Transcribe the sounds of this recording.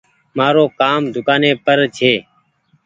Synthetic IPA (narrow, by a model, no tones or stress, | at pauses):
maːɾoːkaːmd̪ʱʊkaːneːpəɾt͡ʃʰeː